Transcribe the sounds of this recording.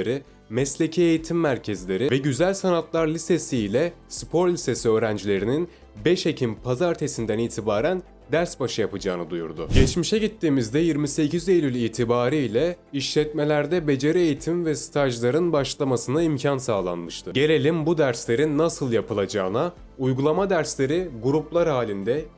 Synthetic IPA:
ɾi | mɛslʲe̞cʰɛejit̪ʰimːæɾcʰezlʲe̞ɾivɛɟyzælʲsanat̪lˠaɾlʲise̞siːlʲɛspʰo̞ɾlʲise̞siøːɾænd͡ʒlʲe̞ɾinin | bɛʃecʰimpʰazaɾt̪ʰe̞sind̪æniːt̪ʰibaːɾæn | d̪æɾsbaʃɯjapɯd͡ʒaːnɯd̪ujṵɾd̪ʊ̰ɟɛt͡ʃmiʃɛɟit̪ːiːmizd̪ɛjiɾmise̞cʰize̞lʲylʲiːt̪ʰibaːɾiilʲɛiʃlʲɛt̪me̞lʲæɾd̪ɛbe̞d͡ʒe̞ɾiejit̪ʰimvɛsi̥t̪ʰaʒlˠaɾɯnbaʃlˠamasɯnaimcʰansaːlˠa̰nmɯʃt̪ʰɯɟe̞lʲe̞lʲimbud̪æɾslʲe̞ɾinːasɯlˠjapɯlˠad͡ʒaːna | ujɡulˠamad̪æɾslʲe̞ɾiɡuɾuplˠaɾhaːlʲind̪ɛ

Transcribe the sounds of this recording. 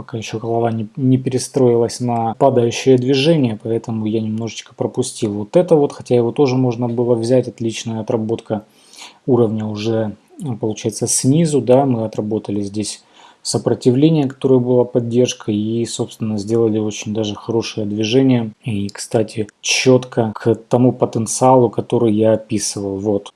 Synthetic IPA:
pɐkajɪɕːokəlˠɐvˠanʲɪnʲɪpʲɪɾʲɪst̪ɾo̞ɪlˠəsʲnɐpad̪əjʉɕːɪjəd̪vʲɪʐɛnʲɪjəpɐɛt̪əmʊjanʲɪmno̞ʐɨt͡ɕkə̥pɾəpʊsʲtʲilˠvo̞t̪ɛt̪əvo̞t̪xɐtʲajɪvo̞t̪o̞ʐɨmo̞ʐnəbɨlˠəvzʲætʲɐt̪lʲit͡ɕnəjəɐt̪rɐbo̞t̪kʰə | uɾəvnʲəʊʐɛ | pəlˠʊt͡ɕæjɪt̪səsʲnʲizʊd̪amɨɐt̪rɐbo̞t̪əlʲɪzʲdʲesʲ | səpɾətʲɪvlʲenʲɪjəkɐt̪o̞ɾəjəbɨlˠapɐdʲːe̞rʂkəiso̞pst̪vʲɪnːəzʲdʲe̞lˠəlʲɪo̞t͡ɕɪnʲd̪aʐɨxɐɾo̞ʂɨjəd̪vʲɪʐɛnʲɪjəikst̪atʲɪt͡ɕːo̞t̪kʰəkt̪ɐmupət̪ənt̪sɨalˠʊkɐt̪o̞ɾɨjjaɐpʲisɨvəlˠvo̞t̪

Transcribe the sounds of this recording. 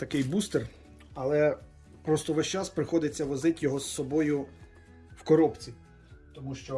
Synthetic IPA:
t̪ɐkɪjbust̪er | ɐlˠɛ | pɾɔst̪ɔʋɛʃt͡ʃaspɾɪxɔd̪ɪt͡sʲːɐʋɔzɪtʲjɔɦɔsːɔbɔjʊ | wkɔɾɔpt͡sʲi | t̪ɔmuʃt͡ʃɔ

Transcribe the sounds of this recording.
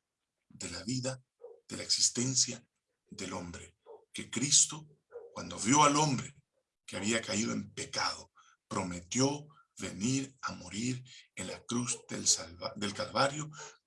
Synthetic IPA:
ðe̞laβiða | ð̥e̞laeksist̪e̞nsja | ðelo̞mbɾe | ke̞kɾist̪o̞ | kwand̪o̞βjo̞alo̞mbɾe | keaβiakaiðoe̞̰mpe̞kaðo̞ | pɾo̞met̪jo̞ | βe̞̰niɾamo̞ɾiɾenlakɾuzdelðe̞lkalβaɾjo̞

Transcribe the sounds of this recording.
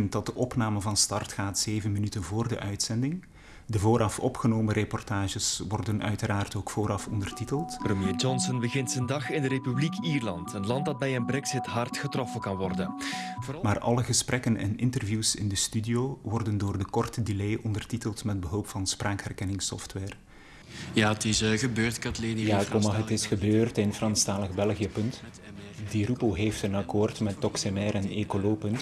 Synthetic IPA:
ənt̚dɑt̚dəʔɔpnaːməvɑnstɑrtxaːtz̥eːvənmənytənvoːrdə̰ʔœɥtsɛndɪŋ | dəvoːɾʔɑfɔpxənoːməɾepɔrtaːʒəsʋɔrdənʔœ̰ɥtəɾaːrtoːkfoːɾʔɑfɔndərtitəlˠtprəmjeːd͡ʒɔnsənbəɣɪntsəndɑxɪndəɾepyblikʰiːrlɑ̰ntənlɑnt̚dɑd̚bɛjənbɾɛɡsɪtɦɑrtxətrɔfənkɑnʋɔrdənvmaːrʔɑ̰lˠəɣəsprʔɛkənɛ̰nɪntərvjuwsɪ̰ndəstydioːʋɔrdəndoːrdəkɔrtədileːʔɔndərtitəlˠtmɛd̚bəɦɵlˠpfɑnspraːkɦɛrkɛnɪŋsɔ̰ftwɛːr | jaːətɪsɣəbøːrtkɑtlenjaːkɔmaɦətɪsxəbøːrtɪnfrɑnstaːləɣbɛlˠɣijəpɵnt | diɾupoɦeːftənɑkoːrtmɛtːɔksemɛːɾɛneːkoloːpɵnt

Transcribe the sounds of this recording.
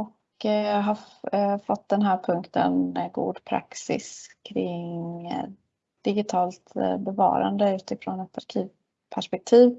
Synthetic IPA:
ɔk | ɦɑfɔt̪ːd̪ɛnɦæːɾpʰɵŋkt̪ʰə̰nɡṵːd̪pʰɾa̰ksɪ̰skʰɾɪŋ | d̪̥ɪɡɪt̪ʰɑːlt̪bɛvɑ̰ːɾa̰nd̪əʉ̟ːt̪ɪfɾɔnɛt̪aɾkʰiːv | pʰæʂpɛk̚t̪ʰiːv

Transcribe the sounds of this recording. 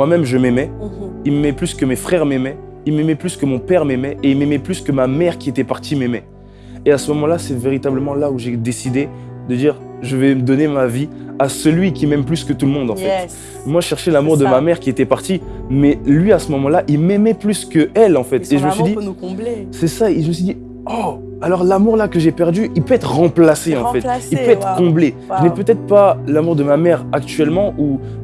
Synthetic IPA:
mwamɛmʒəmɛmɛilmemɛplyskəmefχɛʁmɛmɛ | ilmɛmɛplyskəmɔ̃pɛʁmɛmɛʔeilmemɛplyskəmamɛʁkʲiet̪ɛpaʁt̪ʰimɛmɛ | easəmɔmɑ̃lasɛveʁit̪abləmɑ̃lauʒed̪esid̪e | d̪əd̪iːʁ | ʒəvɛməd̪ɔnemaviasəlɥikʲimɛmplyskət̪ulmɔ̃d̪ɑ̃fɛt̪ | mwaʒeʃɛʁʃɛlamuʁd̪əmamɛʁkʲiet̪ɛpaʁt̪imɛlɥiasəmɔmɑ̃laʔilmɛmɛplyskəɛlɑ̃fɛt̪eʒəməsɥid̪ĩ | sɛsaeiʒəməsɥid̪i | ɔ | alɔʁlamuʁlakəʒepɛʁd̪yʔilpøɛt̪χəʁɑ̃plaseɑ̃fɛtilpøɛt̪χəkɔ̃bleʒənɛpøt̪ɛt̪χpalamuʁd̪əmamɛʁak̚t̪yɛlmɑ̃ʔu

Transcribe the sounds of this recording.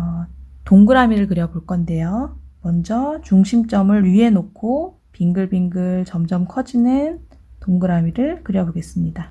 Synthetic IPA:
toŋɡɯɾamiɾɯɭkɯɾjʌboɭk͈ʌnde̞jomʌnd͡ʑʌt͡ɕuŋɕʰimt͡ɕ͈ʌmɯɭie̞nokʰo | piŋɡɯɭbiŋɡɯɭt͡ɕʌmd͡ʑʌmkʰʌd͡ʑinɯn | toŋɡɯɾamiɾɯɭkɯɾjʌboɡes͈ɯmɲida

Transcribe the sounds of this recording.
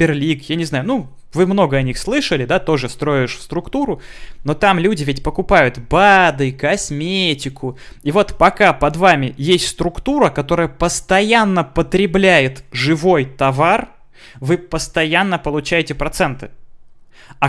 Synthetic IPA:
ɪrlʲikjanʲɪznajʊnu | vɨmno̞ɡəɐnʲixslˠɨʂəlʲɪd̪at̪o̞ʐɨst̪ɾo̞ɪɪʂfst̪ɾʊkt̪uɾʊno̞t̪amlʲudʲɪvʲet̚ʲpəkʊpajʊt̪bad̪ɨkɐsmʲetʲɪkʰʊivo̞t̪pɐkapɐd̪vamʲɪjesʲtʲst̪ɾʊkt̪uɾəkɐt̪o̞ɾəjəpəst̪ɐjanːəpət̪ɾʲɪblʲæjɪt̪ʐɨvo̞jt̪ɐvar | vɨpəst̪ɐjanːəpəlˠʊt͡ɕæjɪtʲɪpɾɐt̪sɛnt̪ɨ̥ | ɐ

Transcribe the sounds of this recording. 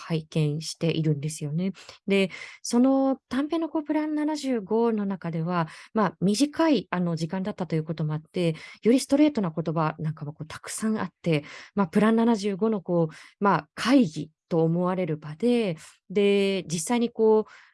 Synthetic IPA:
haikẽ̞ɰ̃ɕi̥t̪e̞ʔiɾɯ̟̃nd̪e̞sɨjo̞ne̞d̪e̞so̞no̞t̪ãmpe̞ːno̞ko̞ːpɯ̟ɾãnːanaʑɨːɡo̞no̞nakad̪e̞βamamʲiʑikaiano̞ʑikãnd̪at̪ːat̪ojɯ̟ːko̞t̪o̞mo̞at̪ːe̞jo̞ɾʲisɨ̥t̪o̞ɾe̞ːt̪o̞nako̞t̪o̞banãŋkamoko̞ːt̪ḁkɯ̟̥sãɰ̃at̪ːe̞mapɯ̟ɾãnːanaʑɨːɡo̞no̞ko̞ːmakʰaiɡʲḭt̪o̞ːmo̞βaɾe̞ɾɯ̟bad̪e̞ | d̪e̞d͡ʑisːaiɲ̟iko̞ː

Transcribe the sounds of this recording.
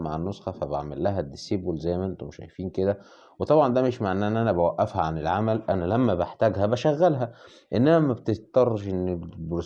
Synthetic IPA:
maʕanːosxɑfæba̰ʕmelːæɦæd̪ːesebolzæjːmæʔent̪omʃæ̰jfiːnked̪æ | wet̪ˤɑbʕɑnd̪æmeʃmaʕʔnːæʔenːʔænæbæwæʔːæfhæʕanelʕamælʔænælæmːæbeħt̪æːɡhæbæʃæɣːælɦæ | ʔenːænæmæbet̪est̪ɑrˤːɑʃʔenːebɾo

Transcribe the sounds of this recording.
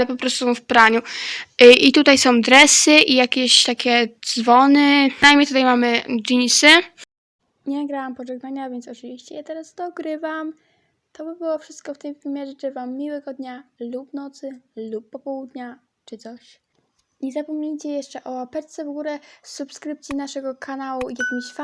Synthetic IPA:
lɛpɔpɾɔst̪uɔ̃wfpɾaɲu | it̪ut̪ajsɔ̃w̃d̪ɾɛsɘʔijakʲeɕt̪akʲɛd̪zvɔnɘnajmʲɲejt̪ut̪ajmamɘʐiɲisɘ | ɲɛnaɡɾawampɔʐɛɡnaɲavʲjɛnt̪sɔt͡ʂɨvʲiɕt͡ɕɛjat̪ɛɾasd̪ɔɡɾɘvam | t̪ɔbɘbɘwɔfʂɘst̪̚kɔft̪ɘmvɘmʲjɛʐɛtɛvamːʲiwɛɡɔd̪ɲalupnɔt̪sɘlupːɔpɔwud̪ɲa | t͡ʂɘt̪sɔɕ | ɲɛzapɔmɲeɲt͡ɕɛjɛʂt͡ʂɛʔɔapɛɾt̪sɛvɡuɾɛsupskɾɘp̚t̪sʲinaʂɛɡɔkʰanawuijakʲimɕfa

